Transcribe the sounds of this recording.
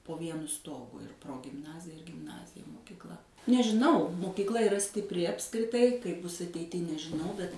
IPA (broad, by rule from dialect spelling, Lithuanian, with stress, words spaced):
poː ˈʋʲiɛnʊ ˈstoːɡʊ ɪr proːɡʲɪmˈnɑːzʲɪjɛ ɪr ɡʲɪmˈnɑːzʲɪjɛ moːkʲɪkˈlˠɐ nʲɛʒʲɪˈnɐʊ moːkʲiːkˈlˠɐ iːˈrɐ sʲtʲɪpʲˈrʲɪ ɐpskrʲɪˈtɐɪ kɐɪp ˈbʊs ɐtʲɛɪˈtʲiː nʲɛʒʲɪˈnɐʊ bʲɛt